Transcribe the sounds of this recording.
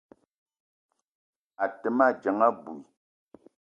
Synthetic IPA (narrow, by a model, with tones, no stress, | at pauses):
a˨tə˨˦ma˦˨d͡ʒa˨˦ŋa˦bu˨i˨